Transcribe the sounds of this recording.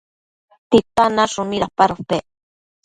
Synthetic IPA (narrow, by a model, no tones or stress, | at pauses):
t̪it̪anaʃʊniɾapaɾope